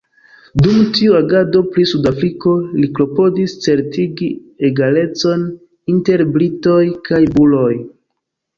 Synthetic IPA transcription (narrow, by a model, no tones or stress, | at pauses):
dumtʰiuaɡado̞pɾisudafɾiko̞likɾo̞po̞dist͡se̞ɾtiɡieɡale̞t͡so̞n | inte̞ɾbɾito̞jkʰajbulo̞j